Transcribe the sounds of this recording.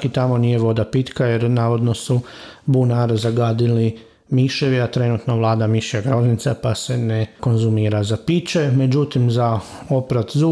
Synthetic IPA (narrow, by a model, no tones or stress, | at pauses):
kit̪amo̞niːje̞ʋo̞d̪apit̪kaje̞ɾnaːʋo̞d̪no̞subunaɾzaɡaːd̪ili | miʃeʋiat̪ɾe̞nut̪noʋlˠaːd̪amiʃjaɡɾo̞znit̪sapase̞neko̞nzumiːɾazapit͡ʃeme̞d͡ʒut̪imza | o̞pɾat̪zu